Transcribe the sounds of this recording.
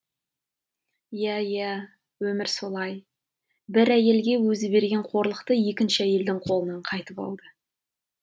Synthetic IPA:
jæjæ | wɵmɪɾso̞lˠɑj | bɪɾæje̞lɡʲe̞wɵzɪbe̞ɾɡʲe̞ɴqʰo̞ɾlˠəqt̪əje̞kʲɪnʃɪæje̞ld̪ɪŋqʰo̞lˠənɑɴqʰɑjt̪əpɑ̰lˠd̪ə

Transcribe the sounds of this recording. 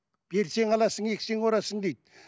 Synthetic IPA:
b̥e̞ɾse̞ŋɑlˠɑsəŋe̞kʲseŋoɾɑsəɴd̪ejd̪̚

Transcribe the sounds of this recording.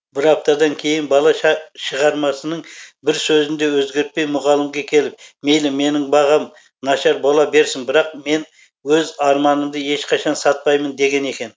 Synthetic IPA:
bɪɾɑp̚t̪ɑd̪ɑŋkʲʰe̞jɪnbɑlˠɑʃʃəʁɑɾmɑsənəɴbɪɾsɵzɪnd̪e̞wɵzɡʲe̞ɾt̪̚pe̞jmʊʁɑlˠəmɡʲekʲʰe̞lɪp̚me̞jlɪme̞nɪŋbɑʁɑm | nɑʃɑɾbolˠɑbe̞ɾsɪŋbɪɾɑq̚me̞n | wɵzɑɾmɑnəmd̪əe̞ʃqʰɑʃɑnsɑt̪̚pɑjmənd̪e̞ɡʲe̞ne̞kʲe̞n

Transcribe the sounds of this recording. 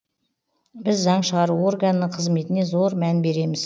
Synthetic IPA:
bɪzːɑɴʃəʁɑɾuo̞rɡanːəqʰəzme̞t̪ɪne̞zo̞ɾmænbe̞ɾe̞mɪz̥

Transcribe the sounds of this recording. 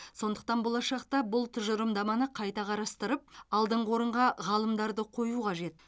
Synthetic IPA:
so̞nd̪ə̥q̚t̪ɑnbo̞lˠɑʃɑqt̪ɑbʊlˠt̪ʰʏʒəɾəmd̪ɑmɑnəqʰɑjt̪ɑqʰɑɾɑst̪əɾəp̚ɑlˠd̪əɴəwo̞ɾəɴʁɑʁɑlˠəmd̪ɑɾd̪əqʰo̞juqʰɑʒe̞t̪

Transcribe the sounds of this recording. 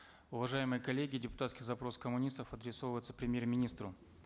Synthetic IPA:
ʊvɐʐajɪmɨjəkɐlʲeɡʲɪdʲɪpʊ̥t̪at̪skʲɪxzɐpɾo̞skəmʊnʲist̪əfɐd̪ɾʲɪso̞vəjɪt̪sə̥pɾʲɪmʲjermʲɪnʲist̪ɾʊ

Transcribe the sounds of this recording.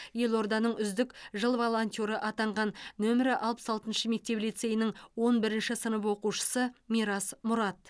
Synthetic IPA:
je̞lˠo̞ɾd̪ɑnəɴʏzd̪ɪkʒəlˠvolˠonʲt̪ʲo̞ɾəʔɑt̪ɑɴʁɑnːɵmɪɾɪʔɑlˠpə̥sɑlˠt̪ənʃəme̞k̚t̪e̞plijt̪se̞jɪnɪŋwo̞nbɪɾɪnʃɪsənəpwo̞quʃə̥səmiɾɑsmʊɾɑt̪̚

